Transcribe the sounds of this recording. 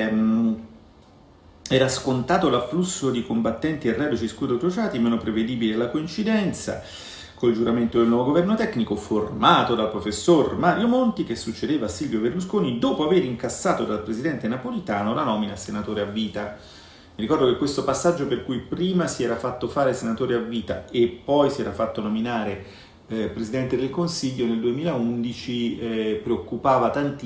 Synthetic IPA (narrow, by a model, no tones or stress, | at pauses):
ɛːɾaskont̪aːt̪olafːlusːod̪ikombat̪ːɛnt̪ierːɛbot͡ʃiskud̪ɾot̪ɾot͡ʃaːt̪imeːnopɾeved̪iːbilealːakoint͡ʃid̪ɛnt̪sa̰ | kold͡ʒuɾament̪od̪elnwɔvoɡovɛrnot̪ɛkːnikoformaːt̪od̪alpɾofesːormaːɾjomont̪ik̟esːut͡ʃːed̪eːvasːilvjoberluskoːnid̪oːpoaveːɾiŋkasːaːt̪od̪alpɾezid̪ɛnt̪enapolit̪aːnolanɔːminasenat̪oːɾeavːiːt̪a | mirikɔrd̪okekːwest̪opasːad͡ʒːoperkujpɾiːmasiɛːɾafat̪ːofaːɾesenat̪oːɾeavːiːt̪a̰epːɔjsiɛːɾafat̪ːonominaːɾe | pɾezid̪ɛnt̪ed̪elkonsiʎːoneld̪uemiːlaund̪it͡ʃipɾeokːupaːvat̪ant̪